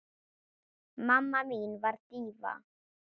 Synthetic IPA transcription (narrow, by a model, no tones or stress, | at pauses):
mamːamiːnvaɾt̪iːva̰